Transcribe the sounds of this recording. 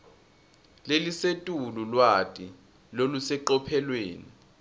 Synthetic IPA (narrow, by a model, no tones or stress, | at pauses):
lelisetʼululwatʼi | lolusɛǃɔpʰɛlweːni